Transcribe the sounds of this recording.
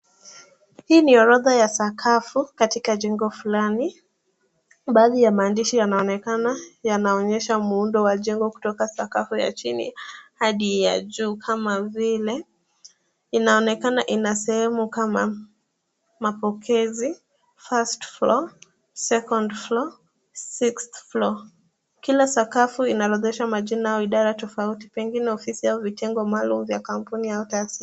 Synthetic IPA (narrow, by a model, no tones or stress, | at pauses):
hiːniɔɾɔðajasakʰafukatikaʄɛŋɡɔfulani | ɓaːðijamaːndiʃijanaɔnɛkanajanaɔɲɛʃamuundɔwaʄɛŋɡɔku̥tɔkasakafuja̰t͡ʃinḭhaɗija̰ʄuːkʰamavilɛ | inaɔnɛkanaʔinasɛhɛmukama | mapɔkʰɛzi | fastflɔ | sɛkɔndflɔ | siksθflɔ | kilasakafuinaɾɔðɛʃamaʄinaaɔiɗaɾatɔfauti̥pɛŋɡinɛɔfisiauvitʰɛŋɡɔmaːlumuvjakampuniautasi